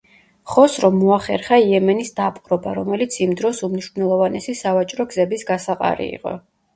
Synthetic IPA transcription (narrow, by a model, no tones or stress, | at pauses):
χɔsɾɔmːuaχɛɾχaiɛmɛnisd̪apʼqʼɾɔba̰ɾɔmɛlit̪sʰimd̪ɾɔsumniʃmnɛlˠɔvanɛsisavat͡ʃʼɾɔɡzɛbisɡasaqʼa̰ɾḭḭqʼɔ̰